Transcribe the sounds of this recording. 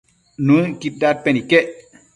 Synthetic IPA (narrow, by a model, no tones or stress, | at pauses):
nũkit̚dat̚pɛnikɛʔ